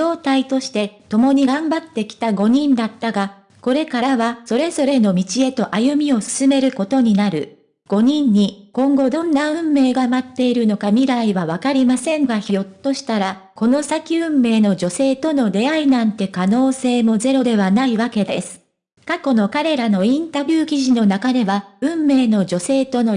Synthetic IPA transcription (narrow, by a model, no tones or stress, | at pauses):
o̞ːt̪ait̪o̞ɕi̥t̪e̞t̪o̞mo̞ɲ̟iɡãmbat̪ːe̞kʲi̥t̪aɡo̞ɲ̟ĩnd̪at̪ːaɡa | ko̞ɾe̞kaɾaβaso̞ɾe̞zo̞ɾe̞no̞mʲit͡ɕie̞t̪o̞ʔajɯ̟mʲio̞sɨ̥sɨme̞ɾɯ̟ko̞t̪o̞ɲ̟inaɾɯ̟̰ | ɡ̥o̞ɲ̟ĩɲ̟ːikõ̞ŋɡo̞d̪õ̞nːaɯ̟̃mːe̞ːɡamat̪ːe̞iɾɯ̟no̞kamʲiɾaiβaβakaɾʲimasẽ̞ŋɡaçijo̞t̪ːo̞ɕi̥t̪aɾa | ko̞no̞sakʲiɯ̟̃mːe̞ːno̞d͡ʑo̞se̞ːt̪o̞no̞ɾe̞ainãnt̪e̞kano̞ːse̞ːmo̞ze̞ɾo̞d̪e̞βanaiβake̞d̪e̞sɨ̥ | kako̞no̞kaɾe̞ɾano̞ĩnt̪abʲɨːkʲiʑino̞nakad̪e̞βaɯ̟̃mːe̞ːno̞d͡ʑo̞se̞ːt̪o̞no